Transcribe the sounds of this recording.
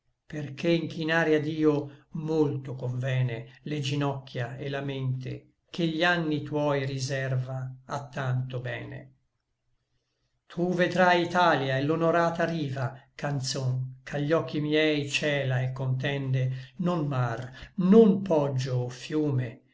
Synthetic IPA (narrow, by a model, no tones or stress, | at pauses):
perkeiŋk̟inaːɾjad̪iːomolt̪okoɱvɛːneled͡ʒinɔkːjaelːament̪ḛ | k̟eʎːanːit̪wɔjrizɛrvaːt̪ːant̪obɛːnḛ | t̪ʰuved̪ɾajit̪aljaelonoɾaːt̪aɾiːvakant̪soŋkʰaʎːɔkːimjɛjt͡ʃɛːlaekːont̪̬ɛnd̪enonmarnompɔd͡ʒːoːfjuːme